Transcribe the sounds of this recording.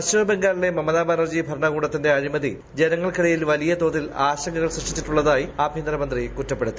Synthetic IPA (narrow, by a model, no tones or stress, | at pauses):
ɐɕuʋɐbe̞ŋɡaːɾile̞mɐmɐðaːbaːnɐrd͡ʑibʱɐrɳɐɣuːɽɐt̪ːinde̞ɐɾimɐðḭ | d͡ʑe̞nɐŋːɐɭkiɽɐjilʋɐlijɐt̪o̞ːðilaːɕɐŋɡɐɣɐɭsriʂʈit͡ɕːiʈːuɭːɐðaːjiaːbʱind̪ɾɐmɐnd̪rikutːɐpːeɽut̪ːi